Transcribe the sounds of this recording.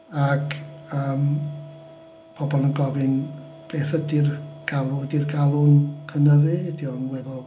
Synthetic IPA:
akəːm | b̥ʰɔbɔlˠənɡɔvɪn | b̥eːθədirɡ̥alˠʊdirɡalˠʊnkʰənəðɨdiɔnwɛvɔlˠ

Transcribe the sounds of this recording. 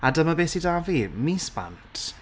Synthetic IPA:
adəmabeːsidavimiːspa̰ntʰ

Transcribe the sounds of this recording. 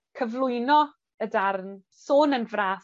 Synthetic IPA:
kʰəvlˠʊjnɔ | ədarn | soːnənvraːs

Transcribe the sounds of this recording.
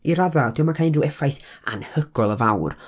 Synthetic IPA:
iɾaðad̥ɪwmakʰajnduwɛfajθa̰nhəɡ̥ɔlˠəvawr

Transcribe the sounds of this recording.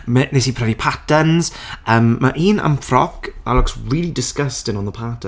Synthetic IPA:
mɛnesipʰɛvlipʰatənz̥əːmːaʔiːnə̰mfrɔka̰lˠɔksriːlˠidɪskəstɪnɔnðəpʰatʰə

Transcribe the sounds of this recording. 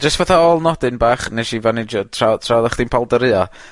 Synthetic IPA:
d͡ʒəstv̥ɛθaɔlˠnɔdɨnbaːχnɛʃivanɪd͡ʒɔtʰratʰraðaχd̥inpʰalˠdəɾɨːa

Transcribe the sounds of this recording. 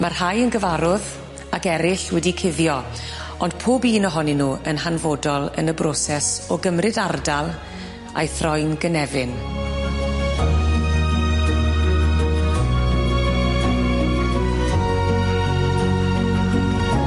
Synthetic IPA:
marhajənɡəvaɾʊð | akɛɾɪɬwɛdikʰɪðjɔ | ɔnd̥pʰoːbiːnɔɦɔninuːənɦanvɔdɔlˠə̰nəbrɔsɛsɔɡəmrɨdardalˠ | a̰jθrɔjnɡənɛvɪn

